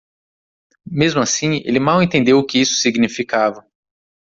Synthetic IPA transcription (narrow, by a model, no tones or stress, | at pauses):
mezmʊasĩḛlɪmawẽt̪ẽnd̪ewʊkɪisʊ̥siɡnifikavɐ